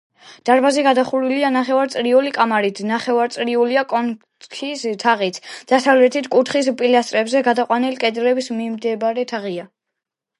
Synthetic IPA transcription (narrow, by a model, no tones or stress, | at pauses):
d̪̥aɾbaziɡad̪aχuɾilianaχɛvaɾt̪sʼɾiulikʼamaɾit̪ʰnaχɛvaɾt̪sʼɾiuliakʼɔn | kʰist̪ʰaʁit̪sʰd̪̥asavlɛt̪ʰit̪ʰkʼut̪ʰχispʼilast̪ʼɾɛbzɛɡad̪aqʼwanilikʼɛd̪ɾɛbismimd̪ɛbɾɛt̪ʰaʁia